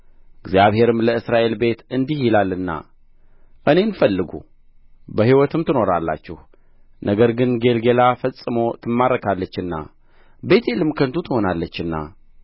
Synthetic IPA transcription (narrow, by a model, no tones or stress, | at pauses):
ɨɡzjaβhe̞ɾɨmləɨsɾaʔe̞lbe̞t̪ɨnd̪ihjilalːɨnːa̰ | ʔɨne̞nfəlːɨɡṵ | bəhiwɔt̪ʰɨmt̪ʰɨno̞ɾalːa̰t͡ʃːɪh | nʔəɡəɾɡɨnɡe̞lɡe̞lafəsʼɨmo̞t̪ʰɨmːaɾəkʰalːət͡ʃːɨnːa̰ | be̞t̪ʰelɨmkʰənt̪ʰut̪ʰɨho̞nalːət͡ʃːɨnːa̰